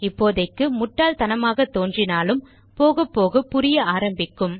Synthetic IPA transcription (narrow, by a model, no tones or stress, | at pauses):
ɪpːoːðɐɪkːɯmʊʈːaːlt̪ɐnɐmaːɣɐt̪ːoːndrɪnaːlɯm | poːɣɐpːoːɣɐpːʊɾɪjɐaːɾɐmbɪkːɯm